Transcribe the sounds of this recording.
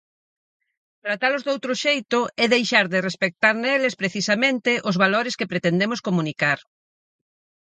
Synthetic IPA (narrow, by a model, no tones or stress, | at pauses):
t̪ɾat̪alʊzd̪owt̪ɾʊʃejt̪ʊɛðejʃaɾðɪrespek̚t̪aɾnelespɾeθisamẽnt̪ɪʔʊzβaloɾɪskepɾet̪end̪emʊskomunikaɾ